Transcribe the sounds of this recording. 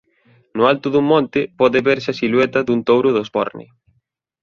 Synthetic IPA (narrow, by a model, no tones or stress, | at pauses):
nʊalt̪ʊðuŋmːɔ̃nt̪ɪpɔðɪβeɾsɪɐsilwɛt̪ɐðunt̪owɾʊðozbɔ̰ɾnḭ